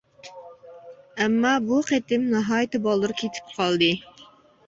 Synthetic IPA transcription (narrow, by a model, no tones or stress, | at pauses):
ɛmːɑbuqʰet̪ɪmnɑɦɑːjɪt̪ɨbɑlˠːɨɾkʲʰet̪ʰɪ̥p̚qʰɑlˠd̪ɨ